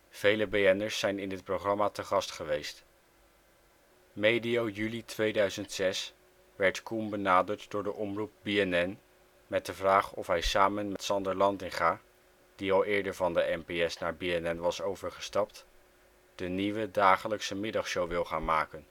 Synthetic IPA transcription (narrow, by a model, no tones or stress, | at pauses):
v̥ejləbeɛnəɹsːɛjnɪndɪt̚prowχrɑmaːtəχɑstχəʋejst | mejdiowjylitʋejdœɥzəntsɛs | ʋɛɹtkumbənaːdəɹtdʊːɹdəʔɔmrup̚biɛnɛn | mɛt̚dəvraːχɔfɦɛjsaːmənmɛtsɑndəɹlɑntɪŋχaː | d̥iɑlˠɪːɹdəɹvɑndəʔɛnpeɛsnaːɹbiɛnɛnʋɑsowvəɹχəstɑp̚t | d̥əniʋədaːχələksəmɪdɑχʃowʋɪlˠχaːnmaːkən